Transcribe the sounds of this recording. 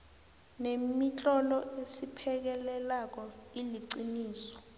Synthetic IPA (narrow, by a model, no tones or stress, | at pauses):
nemit͡ɬʼɔlɔesipʰɛk̬ɛlɛlak̬ɔiliǀiniːsɔ̥